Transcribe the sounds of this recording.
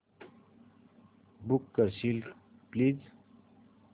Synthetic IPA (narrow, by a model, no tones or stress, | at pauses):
bukːəɾɕilkpliːz